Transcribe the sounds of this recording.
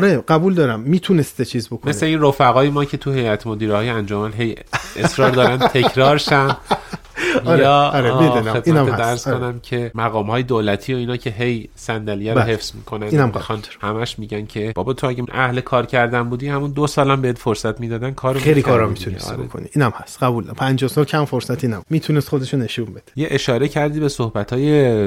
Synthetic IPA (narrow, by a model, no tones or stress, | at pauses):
ɾeɢæbuːld̪ɒːɾæmːiːt̪ʰunest̪et͡ʃʰiːzbokʰome̞sleiːnrofæɣɒːjemɒːcʰe̞t̪ʰuhe̞jæt̪ʰmod̪iːɾehɒːjeænd͡ʒomænɦe̞jesɾɒːɾd̪ɒːɾænʰe̞ncʰɾɒːɾʃæn | jɒːemed̪unet̪inæeæɾz̥kʰo̞næmcʰe̞mæɣɒːmhɒːjed̪olæt̪ʰiːo̞iːnɒːcʰe̞ɦejsænd̪æljæɾohe̞fz̥mḭːkʰonæninæmexɑnhæmæʃmiːɟæncʰe̞b̥ɒːbɒt̪ʰoæɟenʔæhlekʰɒːɾcʰæɾd̪ænbuːd̪ihæmund̪osɒːlæmbeed̪foɾsæt̪miːd̪ɒːd̪ænkʰɒːɾoejlikʰɒːɾɒmit̪ʰunisbo̰kʰo̰nḭiːnæmhæst̪ɢæbuːlæpʰænd͡ʒɒhsɒːlcʰæmfoɾsæt̪ʰinæbumiːt̪ʰunest̪χo̞d̪e̞ʃone̞ʃumbe̞d̪̥e̥jeʔeʃɒːɾe̞cʰæɾd̪ibe̞sohbæt̪ʰɒːje̞